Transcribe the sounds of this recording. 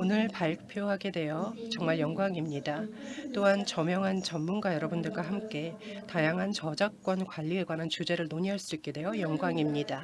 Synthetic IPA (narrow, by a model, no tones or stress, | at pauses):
onɯɭpaɭpʰjoɦaɡe̞dwe̞jot͡ɕʌŋmaɭjʌŋɡwaŋimɲidat͈oɦant͡ɕʌmjʌŋɦant͡ɕʌmːunɡwajʌɾʌbundɯɭɡwaɦamk͈e̞ | tajaŋɦant͡ɕʌd͡ʑak̚k͈ʌnkwaʎːie̞ɡwanant͡ɕud͡ʑe̞ɾɯɭnoɲiɦaɭs͈uik͈e̞dwe̞jojʌŋɡwaŋimɲida